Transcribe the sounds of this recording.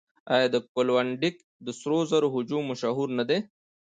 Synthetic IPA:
ajad̪əkolwaɳɖik | d̪əsɾozaɾoɦʊd͡ʒumːʊʃaɦuɾnad̪e

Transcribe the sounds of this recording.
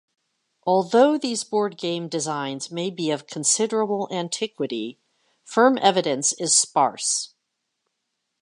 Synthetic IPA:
ʔɔlˠðoʊðizbɔɹd̚ɡẽɪ̃mdɨzãɪ̃nzmeɪbiʌv̥kʰn̩sɪɾə˞əbl̩ˠæ̃ntʰɪkwɨɾi | fɜ̃˞mʔɛvɨɾɨ̃nsɪz̥spɑ̰ɹs

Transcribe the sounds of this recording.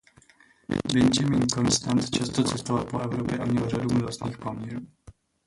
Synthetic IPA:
bɛnd͡ʒamiːnko̞nst̪ant̪t͡ʃast̪o̞t͡sɛst̪ovalpoʔɛvɾopjɛʔamɲɛlradumɛdlast̪niːxpomɲɛɾuː

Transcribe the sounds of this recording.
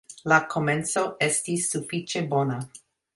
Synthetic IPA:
lakʰo̞menso̞estisːufit͡ʃe̞bo̞na

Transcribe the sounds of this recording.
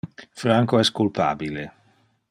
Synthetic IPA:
fɾaŋkoɛskulpa̰ːbile

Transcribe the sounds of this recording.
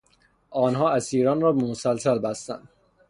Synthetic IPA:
ʔɒːnɦɒːæsiːɾɒːnɾɒːbemosælsælbæst̪æ̰nd̪̚

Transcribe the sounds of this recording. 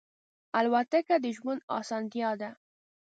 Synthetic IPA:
alwat̪akad̪əʒwunɑ̰sɑnt̪jɑd̪a

